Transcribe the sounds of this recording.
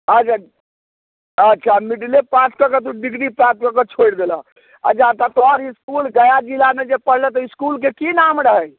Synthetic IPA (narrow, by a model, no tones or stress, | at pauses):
əd͡ʒa | ətːt͡ʃʰamiɖlepãt͡ʃʰkəkɔt̪̬uɖiɡɽipãt̪kɔkɔt͡ʃʰoɽd̪ela | ə̰t͡ʃʰat̪at̪ɔɾiskulɡəjad͡ʒilamed͡ʒepəɽ̤lɛt̪ɔiskulk̬ekinamɾəɦəj